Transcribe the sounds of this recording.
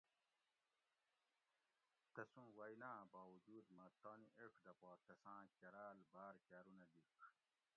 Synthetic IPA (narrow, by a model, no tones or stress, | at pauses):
t̪ɐsũːwɐjnaːbaːwud͡ʑuːd̪mɐt̪oːniʔekʰd̪ɐpɔːt̪ɐsãːkɐɾaːlbaːɾkaːɾunɐd̪ik